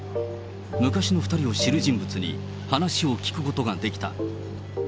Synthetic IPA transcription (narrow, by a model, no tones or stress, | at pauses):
mɯ̟kaɕino̞ɸɯ̟̥t̪aɾʲio̞ɕiɾɯʑĩmbɯ̟t͡sɨɲ̟ḭ | hanaɕio̞kʲi̥kɯ̟ko̞t̪o̞ɡad̪e̞kʲi̥t̪a̰